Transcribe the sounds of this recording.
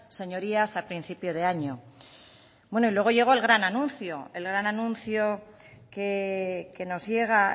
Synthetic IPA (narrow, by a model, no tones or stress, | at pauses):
se̞ɲo̞ɾiasapɾin̟θipjo̞ð̞e̞aɲo̞ | bwe̞no̞ilwe̞ɣ̞o̞ʝe̞ɣ̞o̞elɣ̞ɾananũnθjo̞e̞lɣɾananũnθjo̞ | keke̞no̞zje̞ɣ̞a